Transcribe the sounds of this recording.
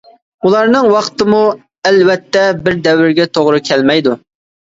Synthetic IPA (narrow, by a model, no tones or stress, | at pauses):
ulˠɑɾnɨŋwɑqt̪ɨmu | ɛlwɛt̪ʰːɛbɪɾd̪ɛwɪɾɡʲɛt̪ʰoʁɾɨkʲʰɛlmɛjd̪u